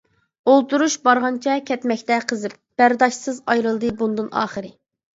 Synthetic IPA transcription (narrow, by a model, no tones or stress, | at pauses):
olˠt̪uɾuʃbɑɾʁɑnt͡ʃʰɛkʲʰɛt̪mɛkʲt̪ɛqʰəzɨp̚b̥æɾd̪ɑʃsɨzɑjɾɨlˠd̪ɨbund̪ɨnɑ̰ːχəɾɨ